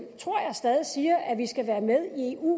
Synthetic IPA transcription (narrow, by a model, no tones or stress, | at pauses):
t͡sʰʁo̝ɐ̰jɑ̈ɪsd̥ɛːð̞ˠisiːɐʔæʋisɡ̥æʋæːɐmeð̞ˠieṵ